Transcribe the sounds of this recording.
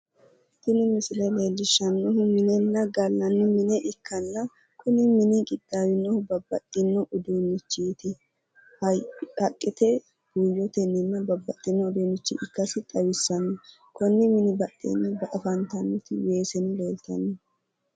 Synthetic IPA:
t̪ɪnɪmɪsɪlɛleːlɪʃːɐnːɔhʊmɪnɛnːɐɡɐlːɐnːʊmɪnɛʔɪkʰːɐnːɐ | kʰʊnɪmɪnɪɡʼɪd̪̥ːaːwɪnːɔhʊbɐbːɐt̪ʼːɪnːɔʔʊd̪unɪt͡ʃːiːt̪ɪ | hɐhɐkʼːɪt̪ɛ | ɡ̥uːjɔt̪ɛnːɪnːɐbɐbːɐt̪ʼːɪnːɔːd̪uːnɪt͡ʃːḭʔɪkːɐsɪt̪ʼɐwɪsːɐnːɔ | kɔnːɪmɪnɪbɐt̪ʼːɛ̰nːɐbɐʔɐfɐnt̪ɐnːʊt̪ɪweːsɛnleːlt̪ɐ̰nːɔ

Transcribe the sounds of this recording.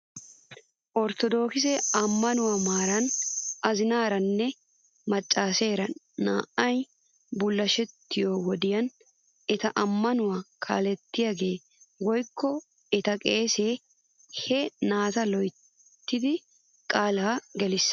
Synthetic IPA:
ʔɔɾt̪ɔd̪o̞ːkɪsɛɐmːɐnʊwamaːɾɐnɐzɪnaːɾɐnːɛ | mɐt͡ʃʼːaːse̞ːɾɐnː | a̰ːʔɐj | bʊlːɐʃɛt̪ːɪjoːwɔd̪ɪjɐn | ɛt̪ɐʔɐmːɐnʊwakʰa̰ːlɛt̪ːɪjaːɡe̞ː | wɔjkːɔ | ɛt̪ɐkʼeːseː | hɛnaːt̪ɐlɔj | t̪ːɪd̪ɪ | kʼaːlaːɡɛlɪs

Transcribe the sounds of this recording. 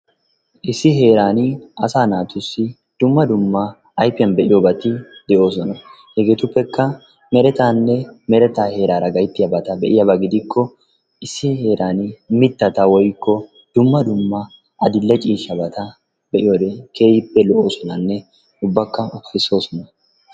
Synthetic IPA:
ʔɪsːɪɦe̞ːɾaːnɐsaːnaːt̪ʊsːɪ | d̪̥ʊmːɐd̪ʊmːɐː | jpːɪjɐnbɛʔɪjoːbɐt̪ɪd̪̥ɛʔo̞ːs̬ɔnɐ | hɛɡe̞ːt̪ʊpːɛkːɐ | mɛɾɛt̪aːnːɛmɛɾɛt̪aːhe̞ːɾaːɾɐɡɐjt̪ːɪjɐbɐt̪ɐbɛʔɪjɐbɐɡɪd̪ɪkʰːɔ | ɪsːɪhe̞ːɾʔaːnmɪt̪ːɐt̪awɔjkːɔ | d̪̥ʊmːɐd̪ʊmːɐ | ʔɐd̪ɪlːɛt͡ʃʼiːʃɐbɐt̪ɐ | bɛʔɪjoːd̪ekʰe̞ːjɪpːɛlɔʔo̞ːsɔnɐnːɛ | ʊbːɐkːɐɔfɪso̞ːsɔnɐ

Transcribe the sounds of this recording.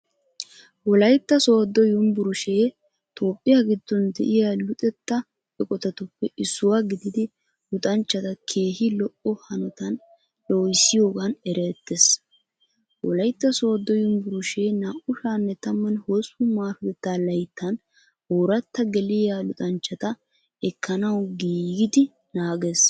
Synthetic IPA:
wɔlɐjt̪ːɐsoːd̪ːɔjʊmbʊɾʊʃeː | t̪ʰo̞ːpʼːɪjaɡɪd̪ːɔnd̪ɛ̰ʔɪjaːlʊt̪ʼɛt̪ːɐ | ɛkʼɔt̪ɐt̪ʊpːɛʔɪsːʊwaːɡɪd̪ɪd̪ɪ | lʊt̪ʼɐnt͡ʃːɐt̪ɐkʰe̞ːhɪlɔʔɔhɐnɔt̪ɐn | loːjɪsɪjo̞ːɡɐnɛɾet̪ːes | wɔlɐjt̪ːɐsoːd̪ːɔjʊnbʊɾʊʃeːnaːʔʊʃaːnːɛt̪ɐmːɐnhosʊmaːɾʊd̪ɛt̪ːaːlɐjt̪ʰːɐn | hoːɾɐt̪ːɐɡɛlɪjaːlʊt̪ʼɐnt͡ʃːɐt̪ɐ | ɛkːɐnɐwɡiːɡɪd̪ɪ | naːɡes

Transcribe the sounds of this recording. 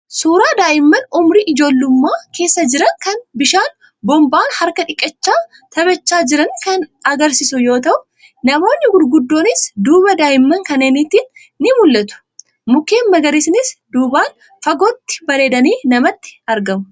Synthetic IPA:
suːɾaːd̪aːʔɪmːɐnʊmɾiʔɪd͡ʒo̞ːlːʊmːaːke̞ːsːɐd͡ʒɪɾɐŋkɐnbɪʃaːn | bɔmbaːnhɐɾkɐᶑɪkʼːɐt͡ʃːaː | t̪ɐbɐt͡ʃːaːd͡ʒɪɾɐnkɐnɐɡɐɾsɪsʊjo̞ːt̪ɐʔʊ | nɐmo̞ːnːɪɡʊɾɡʊd̪ːo̞ːnɪsd̪uːbɐd̪aːʔɪmːɐŋkɐneːnit̪ːiːnː | ɪmʊlːɐt̪ʊ̥ | mʊke̞ːnmɐɡɐɾisɪnɪsd̪uːbaːn | fɐɡɔt̪ːɪ̥bɐɾe̞ːd̪ɐniːnɐmɐt̪ːɪ̥ɐɾɡɐmʊ

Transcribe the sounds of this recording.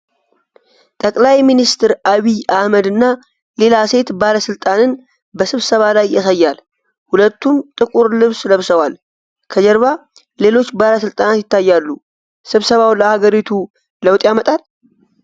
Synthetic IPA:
t̪ʼəkʼlajminist̪ʰɨɾʔaβiahməd̪ɨnːa | le̞lase̞t̪baləsɨlt̪ʼanɨn | bəsɨβsəβalajːasəjːal | hulət̪ːumt̪ʼɨkʼuɾlɨβsləβsəwal | kʰəd͡ʒɛɾβa | le̞lo̞t͡ʃːbaləsɨlt̪ʼanat̪jɪt̪ʰːajːalːu | sɨβsəβawləhaɡəɾit̪ʰu | ləwt̪ʼjamət̪ʼal

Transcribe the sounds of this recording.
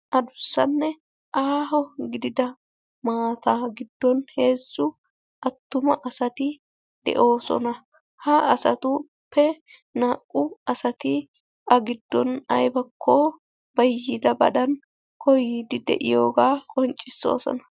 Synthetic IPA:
ʔɐd̪ʊsːɐnːɛ | ʔaːɦɔɡɪd̪ɪd̪ɐ | maːt̪aɡɪd̪ːɔnhe̞ːzːʊ | ʔɐt̪ːʊmɐʔɐsɐt̪ɪ | d̪̥ɛ̰ʔo̞ːsɔ̰nɐ | hɐʔɐsɐ̰t̪ʊ | pʰːɛ | naːkʼːʊɐsɐt̪ɪ | ɐɡɪd̪ːɔnɐjbɐkʰːɔ | b̥ɐjːɪd̪ɐbɐ̰ɗɐn | kʰɔjiːd̪ɪd̪ɛ̰ʔɪjoːɡaːkʼɔnt͡ʃʼːɪsːo̰ːsɔ̰nɐ

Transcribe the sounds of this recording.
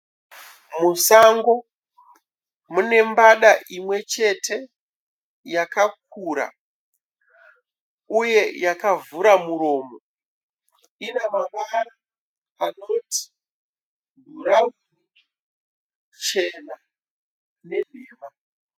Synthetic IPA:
musaŋɡo̞ | mune̞mbaɗaʔimwe̞t͡ʃe̞tʰe̞ | jakak̚uːɾa̰ | uje̞jakavuɾamuɾo̞ːmo̞ | inamaʋara | ano̞ti̥ | ɡʱuɾa | t͡ʃe̞na | ne̞niːma

